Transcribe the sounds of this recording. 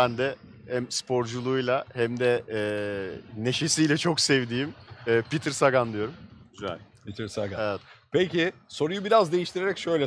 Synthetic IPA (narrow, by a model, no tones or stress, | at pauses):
bænd̪ɛhæmspʰo̞ɾd͡ʒulˠuːjlˠahæmd̪ɛː | ne̞ʃe̞sijlʲɛt͡ʃʰo̞ksɛvd̪iːmɛːpit̪ʰiɾsaɡand̪ijo̞ɾumɟyzɛ̰lʲ | pit̪ʰiɾsaɡaeɛt̪pʰecɪso̞ɾujubiɾazd̪e̞jiʃt̪ʰiɾeɾɛcʃø̞jlʲɛ